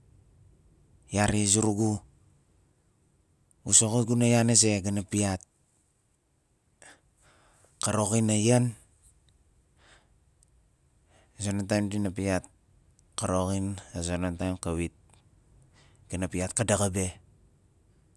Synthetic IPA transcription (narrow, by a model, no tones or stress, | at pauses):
jaɾiezuɾuɡu | usokoɡunajaneze̞ɡanapiat̚ | kaɾo̞ɣinajan | zonantajmdinapiat̚ | kaɾoɣinazonantajmkawit̚ | ɡ̥anapiat̚kadaɡabe̞